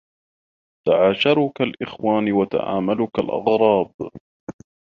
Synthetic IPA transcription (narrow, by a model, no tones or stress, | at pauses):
t̪aʕaːʃɑɾˤʊkalʔɪxwaːnɪwat̪a̰ʕa̰ːmalʊkalʔɑ̰ɣɾˤɑːb